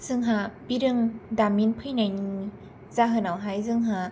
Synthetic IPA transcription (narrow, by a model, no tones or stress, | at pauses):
z̥ɯŋɦabiɾɯŋdaminpʰɯjnajni | zaɦɯnawɦajzɯŋɦa